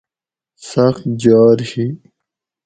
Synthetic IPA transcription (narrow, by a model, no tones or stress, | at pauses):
sɐxt̪d͡ʑɑːɾhi